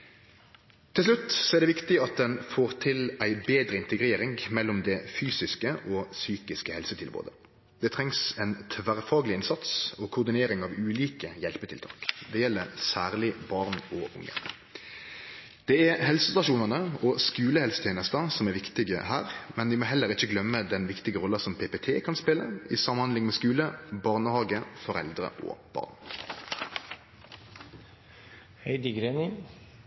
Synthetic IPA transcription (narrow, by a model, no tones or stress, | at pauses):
t̪ʰɪlslʉt̪ːsɔɛɾʁd̪ɛːʋɪkt̪ɪɑt̪̚d̪ɛnfoːʁt̪ʰɪlæɪbeːd̪ɾəɪnt̪əɡɾeːɾɪŋmɛlːɔmd̪ɛfyːsɪskəʔosyːkɪskəhɛlsət̪ʰɪlbo̰ːd̪ə | d̪̥ɛt̪ʰɾɛŋsɛnt̪ʰʋæʁfɑːɡəlɪɪnsɑt̪sokʰʊʁd̪ɪneːɾɪŋɑʋʉːliːkəjɛlpət̪ʰɪlt̪ʰɑ̰ːkd̪ɛjɛlːəɾsæːʁlɪbɑʁnɔʊ̰ŋːə̰ | d̪̥ɛɛhɛlsəst̪ɑʃuːnənəɔskʉːləhɛlsə̥t̪ʰeːnəst̪əsɔmɛʋɪkt̪ɪɡə̰hæ̰ːʁmɛnʋɪmoːɦɛlːəʁɪçəɡlœmːəd̪ɛnʋɪkt̪ɪɡəʁɔlːəsɔmpʰeːpet̪ʰeːkʰɑnspɪlə̰ɪsɑmːhɑnd̪ɪŋmɛːskʉːləbɑːʁnəhɑːɡəfɔʁɛ̰ld̪ʁə̰ʔo̰ːb̥ɑ̰ːʁn | hɛɪd̪əɡɾeːnɪ